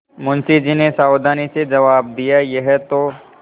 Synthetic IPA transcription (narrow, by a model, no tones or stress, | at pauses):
mʊnsid͡ʒinesaːʊd̪aːnised͡ʒɐʋaːb̚d̪ijajeɦɛt̪o